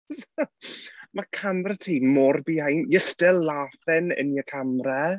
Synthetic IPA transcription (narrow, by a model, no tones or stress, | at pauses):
s | makʰamrɛtʰiːmɔrbiːajnjəstɪlːaːfɛnə̰niəkʰamrɛ